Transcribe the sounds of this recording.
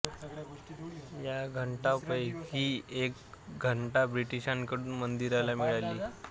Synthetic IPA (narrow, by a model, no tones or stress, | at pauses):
jaɡʱəɳʈapəjkiːekɡʱəɳʈabɾiʈiɕankəɽuːnmənd̪iɾalamiɭaliː